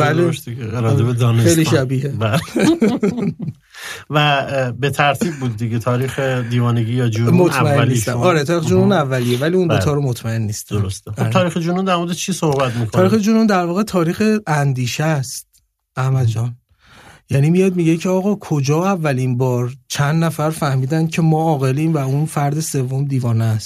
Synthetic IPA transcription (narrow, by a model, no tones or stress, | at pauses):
bælleʃd̪ieeɾɒebed̪ɒːnexeliːʃæbiːhebæl | væbet̪ʰæɾt̪ʰiːb̚buːd̪̚ːiɡet̪ʰɒːɾiːxed̪iːvɒːneɡijɒd͡ʒumot̪ʰmæenːisst̪æɒːɾet̪ʰɒːɾixed͡ʒununævːælijevæliund̪ot̪ʰɒːɾomot̪ʰmæe̞nːist̪oɾost̪exodt̪ʰɒːɾixed͡ʒunund̪æɾmoɾd̪et͡ʃʰiːsohbæt̪miːkʰoɒːɾixed͡ʒunund̪æɾvɒːɣe̞t̪ʰɒːɾiːxeænd̪iːʃæst̪̚ | æhmæd̪d͡ʒɒːn | jæniːmijɒːd̪̚miɟecʰeɒːɣɒːkʰod͡ʒɒːævːælinbɒːɾt͡ʃʰænd̪næfæɾfæhmiːd̪æncʰe̞mɒːɒːɣeliːmvæunfæɾd̪e̞sevːo̞md̪iːvɒːnæst̪